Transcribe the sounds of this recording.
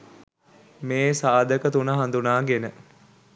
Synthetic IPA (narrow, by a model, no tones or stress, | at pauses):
meːsaːd̪əkət̪unəɦand̪unaːɡenə